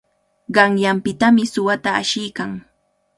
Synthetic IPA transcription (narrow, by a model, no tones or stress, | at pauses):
ɢɑŋjampɪt̪amɪsʊwat̪aːʃɪjkaŋ